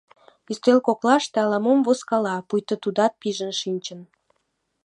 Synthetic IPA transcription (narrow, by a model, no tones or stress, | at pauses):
yst̪elkoklɑʃt̪eɑlɑmomvoskɑlɑpujt̪ə̆t̪ud̪ɑt̪̚piʒənʃinʲt͡ɕən